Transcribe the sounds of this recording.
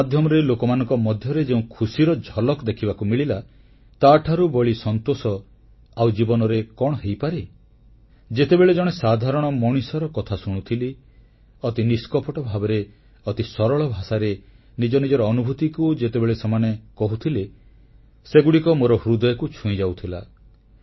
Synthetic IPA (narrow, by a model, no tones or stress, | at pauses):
ad̪ʱjɔmɔɾelokɔmanɔ̃ŋkɔmɔd̪ʱjɔɾed͡ʒeũkʰusiɾɔd͡ʒʱɔlɔkd̪ekʰibakumiɭila | t̪aʈʰaɾubɔɭisɔnt̪osɔ | awd͡ʒibɔnɔɾekɔɽ̃ɔɦejpaɾe | d͡ʒet̪ebeɭed͡ʒɔɽ̃esad̪ʱaɾɔɽ̃ɔmɔɽ̃isɔɾɔkɔt̪ʰasuɽ̃ut̪ʰili | ɔt̪iniskɔpɔʈɔbʱabeɾe | ɔt̪isɔɾɔɭɔbʱasaɾe | nid͡ʒɔnid͡ʒɔɾɔːnubʱut̪ikud͡ʒet̪ebeɭesemanekɔɦut̪ʰile | seɡuɽikɔmoɾɔhɾud̪ɔjɔkut͡ʃʰũĩd͡ʒawt̪ʰila̰